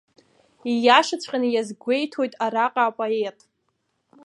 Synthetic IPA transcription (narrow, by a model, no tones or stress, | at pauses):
ijaʂɨt͡sʷʰʼqʲʼanɨjazɡʷe̞jtʰo̞jtʼaɾaqʼaːpʼoe̞tʼ